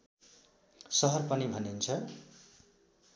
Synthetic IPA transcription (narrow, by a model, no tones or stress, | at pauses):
sʌɦʌrpʌnibʱʌnint͡sʰʌ